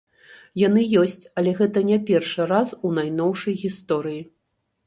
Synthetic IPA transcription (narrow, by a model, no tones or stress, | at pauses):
jan̪ɨjɔsʲt͡sʲɐlʲɛɣɛt̪ɐnʲɛpʲɛrʂɨɾasunajnɔwʂɐjɣʲist̪ɔɾɨji